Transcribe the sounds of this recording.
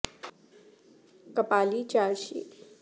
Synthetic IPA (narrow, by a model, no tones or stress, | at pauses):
kɐpaːlit͡ʃaːɾʃḭ